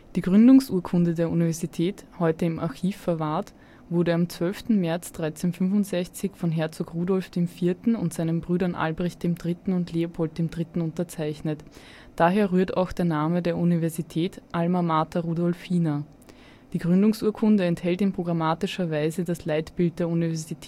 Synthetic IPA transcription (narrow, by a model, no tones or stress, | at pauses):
d̥iːɡʁʏndʊŋsʔuːɐkʰʊndədeːɐʔunivɛɐzitʰɛːthɔʏtəɪmʔa̰ɐçiːfːɛɐvaɐt | v̥ʊɐɾəamt͡sv̥œlftn̩mɛɐt͡sd̥ʁaɪt͡senfʏnvʊntz̥ɛçt͡sɪçfɔnɦɛɐt͡soːkʁuːdɔlfd̥eːmfiːɐtn̩ʊ̰ntz̥aɪnənbʁyːɾɐnʔa̰lbʁɛçt̚d̥eːmdʁɪtn̩ʊntleːʊpʰɔlt̚d̥eːmdʁɪtn̩ʊntɐt͡saɪçnət | d̥aːɦeːɐʁyːɐta̰ʊxd̥eːɐnaːmədeːɐʔunivɛɐzitʰɛːtʔalmamaːtɐʁuːdɔlfiːnɐ | d̥iːɡʁʏndʊŋsuːɐkʰʊndəɛnthɛltɪnpʁ̥oɡʁamaːtɪʃɐvaɪzədaslaɪtb̥ɪlt̚d̥eːɐunivɛɐzzitʰː